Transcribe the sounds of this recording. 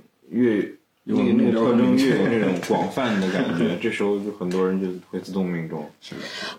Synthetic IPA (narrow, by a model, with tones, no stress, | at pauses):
ɥɛ˥˩ | jo˨˩ni˧˥n˥˩t̪ʰɤ˥˧ʈ͡ʂɤ˥ŋɥɛ˥˩jo˨˩ʊna˥˩ʈ͡ʂʊ˨˩˥ŋkwɑ˨˩ŋfa˥˩nd̪ə˦ka̰˨˧˨nt͡ɕɥɛ˧˥ʈ͡ʂɤ˥˩ʂɻ̩˧˥xo˧ʊt͡ɕjo˥˩xə˨˩nt̪wɔ˥ɻə˧˥nt͡ɕjo˥˧ʊ˥˩xwe˧˥ɪt͡sʰɹ̩˥˧t̪ʊ˥˧ŋmi˧˥ŋʈ͡ʂʊ˥˩ŋ̩˥˩